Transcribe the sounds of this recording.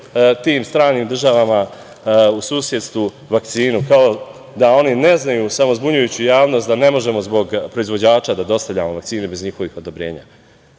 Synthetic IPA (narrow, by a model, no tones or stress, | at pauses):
t̪iːmst̪ɾaːniːmd̪ɾr̩ʒaʋama | usuːsje̞d̪st̪ʋu | ʋak̚t̪siːnukao̞ | d̪ao̞nine̞znajusamo̞zbuɲujut͡ɕujaːʋno̞st̪d̪ane̞mo̞ʒe̞mo̞zbo̞ɡpɾo̞izʋo̞d͡ʑaːt͡ʃad̪ad̪o̞st̪avʎʲa̰moʋak̚t̪siːnebe̞zɲixo̞ʋixo̞d̪o̞bɾe̞ːɲa̰ː